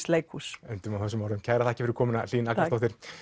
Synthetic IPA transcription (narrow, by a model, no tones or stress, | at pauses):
slejkʰusʏnt̪ʏmawθɛs̬ːʏmawɾʏmcʰaːɣɾaθaɛ̥cɪ̥fɪɾkʰɔːmʏna̰l̥iːnak̪at̪ɔwht̪ɪɾ̥